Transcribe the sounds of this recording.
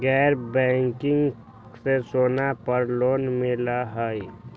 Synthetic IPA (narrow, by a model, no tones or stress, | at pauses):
ɡɛːɾbɛ̃ŋkɪŋɡ | sesoːnapəɾloːnmɪlaɦəi